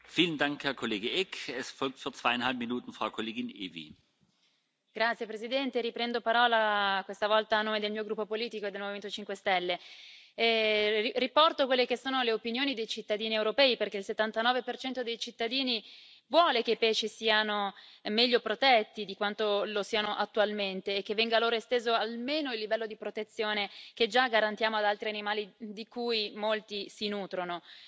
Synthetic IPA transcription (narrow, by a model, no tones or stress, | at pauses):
fiːləndaŋkhɛɐkʰoleːɡəʔɛkʰɛsfɔlk̚tfyːɐt͡sv̥aɪjanhalp̚minuːtn̩fʁ̥aʊkʰoleːɡɪnḛːvḭ | ɡ̥ɾat̪sjepɾezid̪ɛnt̪eɾipɾɛnd̪opaɾɔːlakwest̪avɔlt̪aːnːoːmed̪elmiːoɡɾupːopoliːt̪ikoed̪ːelmoviment̪ot͡ʃiŋkwest̪ɛlːe | ripɔrt̪okwelːekesːoːnoleopinjoːnid̪ejt͡ʃit̪ːad̪iːniɛwɾopɛːiperkeilset̪ːant̪anɔːvepert͡ʃɛnt̪od̪ejt͡ʃit̪ːad̪iːni | vwɔːlekeipɛːt͡ʃisiːanomɛʎːopɾot̪ɛt̪ːid̪ikwant̪olosiːanoʔat̪ːualment̪eːk̟ːevːɛŋɡaːlːoːɾoest̪eːzoalmeːnoilːivɛlːod̪ipɾot̪et̪sːjoːneked͡ʒaɡaɾant̪jaːmoad̪alt̪ɾianimaːlid̪ikujmolt̪isinuːt̪ɾono